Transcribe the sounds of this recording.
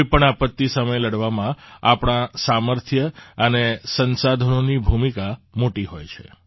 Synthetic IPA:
ipəɳapət̪ːisəməjləɽʋamãapɳ̃asaməɾt̪ʰjəənesənsad̪ʱənonibʱumikamoʈiɦojt͡ʃʰḛ

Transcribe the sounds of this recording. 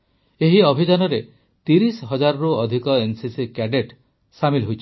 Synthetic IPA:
eɦiɔbʱid͡ʒanɔɾe | t̪iɾisɔɦɔd͡ʒaɾɾuɔd̪ʱikɔensisikɛɖeʈ | samilɦujt͡ʃʰi̥

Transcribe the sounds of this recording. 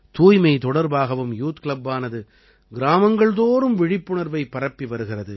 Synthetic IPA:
t̪uːjmɐɪt̪ɔɽɐɾbaːɣɐʋɯmjuːt̪kɭɐbːaːnɐðɯ | ɡɪɾaːmɐŋɡɐɭðoːɾɯmʋɪɻɪpːɯɳɐɾʋɐɪpːɐɾɐpːiʋɐɾɯɣɪrɐðɯ

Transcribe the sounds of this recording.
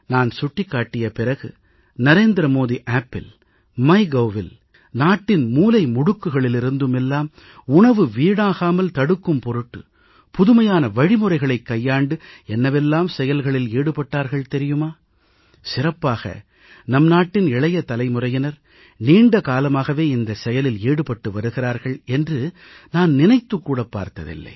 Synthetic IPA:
naːnsʊʈːɪkːaːʈːɪjɐpɪrɐɣɯ | nɐɾeːnd̪ɾɐmoːðiʔaːpːɪl | mɐɪɡɐːʋɪl | naːʈːɪnmuːlɐɪmʊɽɯkːɯɣɐɭɪlɪɾɯnd̪ɯmɛlːaːm | ʊɳɐʋɯʋiːɽaːɣaːmɐlt̪ɐɽɯkːɯmpɔɾɯʈːɯ̰ | pʊðʊmɐjaːnɐʋɐɻɪmɯrɐɪɣɐɭɐɪkːɐjːaːɳɖɯɛnːɐʋɛlːaːmsɛjɐlɣɐɭɪleːɽɯpɐʈːaːɾɣɐɭt̪ɛɾɪjɯmaː | sɪrɐpːaːɣɐ̰ | nɐmnaːʈːɪnɪɭɐjɐt̪ɐlɐɪmɯrɐjɐnɐɾ | niːɳɖɐkaːlɐmaːɣɐʋeːɪnd̪ɐsɛjɐlɪleːɽɯpɐʈːɯʋɐɾɯɣɪraːɾɣɐɭɛndrɯ | naːnnɪnɐɪt̪ːɯkːuːɽɐpːa̰ːɾt̪ɐ̰ðɪ̰lːɐ̰ɪ

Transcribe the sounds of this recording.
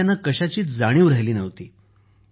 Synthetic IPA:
anːakəɕat͡ɕiːt͡sd͡zaɽ̃iːʋɾaɦjliːnəʋt̪iː

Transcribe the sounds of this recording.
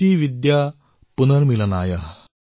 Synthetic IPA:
iːʋid̪ja | punəɾmilənaːja̰

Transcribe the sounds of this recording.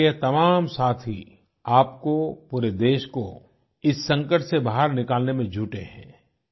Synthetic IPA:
jɛt̪ɐmaːmsaːt̪ʰi | aːpkopuːɾed̪eːʃko | ɪsːɐ̃ŋkəʈsebaːɦəɾnɪkaːlnemẽd͡ʒʱuːʈeɦɛ̰̃ː

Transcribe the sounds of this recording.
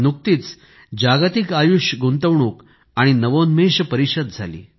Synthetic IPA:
nuk̚t̪iːt͡s | d͡ʑaɡat̪ikajuɕɡunt̪əʋɳuːk | aɽ̃inəʋonmeɕəpəɾiɕəd̪̚d͡zʱa̰lḭː

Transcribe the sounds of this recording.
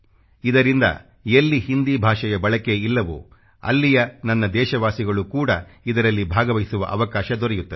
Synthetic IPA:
id̪ɐɾind̪ɐ̰ | elːihind̪ibʱaːʂɐjɐbɐɭɐke̞ilːɐʋṵ | ɐ̰lːijɐnɐnːɐd̪ɛːʃɐʋaːsiɡɐɭukuːɽɐid̪ɐɾɐlːibʱaːɡɐʋɐjisuʋɐ̰ʔɐʋɐkaːʃɐd̪ɔɾɛjut̪ːɐd̪

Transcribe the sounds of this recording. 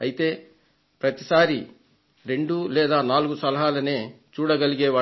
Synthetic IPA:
ɐjit̪e̞ː | pɾɐt̪isaːɾi | ɾe̞ɳɖulɛːd̪aːnaːluɡusɐlɐɦaːlɐne̞ː | t͡ʃuːɽɐɡɐliɡɛːʋaː

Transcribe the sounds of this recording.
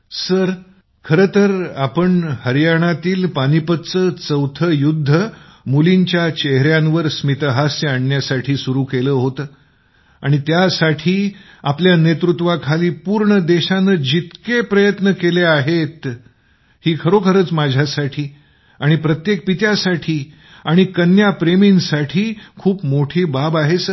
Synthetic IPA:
səɾ | kʰəɾət̪əɾapəɳhəɾjaɽ̃at̪iːlpaɽ̃ipət̪t͡səːt͡səwt̪ʰəjud̪ʱːəmuliɲt͡ɕjat͡ɕeɦɾjãnʋəɾsmit̪əɦasaɳːjasaʈʰiːsuɾuːkeləɦot̪əː | aɽ̃it̪jasaʈʰiː | apljanet̪ɾut̪ʋakʰaliːpuːɾɳəd̪eɕanəːd͡ʑit̪kepɾəjət̪nəkeleaɦet̪ | hiːkʰəɾokʰəɾəːt͡smad͡ʑʱjasaʈʰiː | aɽ̃ipɾət̪jek̚pit̪jasaʈʰiː | aɽ̃ikənjapɾeminsaʈʰiːkʰuːpmoʈʰiːbabaɦet͡s

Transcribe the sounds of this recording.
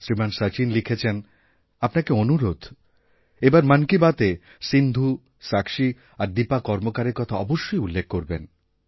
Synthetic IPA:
sɾimansət͡ɕinlikʰet͡ɕʰen | apnakeonuɾod̪ʱ | ebaɾmankibat̪e | sind̪ʱu | sakʃi | aɾd̪ipakɔɾmokaɾeɾkɔt̪ʰaɔboʃːojulːek̚ʰːkoɾben

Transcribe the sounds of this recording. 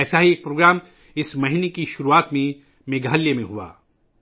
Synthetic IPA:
ɛːsaɦieːk̚pɾoːɡɾaːm | ɪsmɐɦinekiʃʊɾuaːt̪mẽ | meːɡəːljemẽɦua̰ː

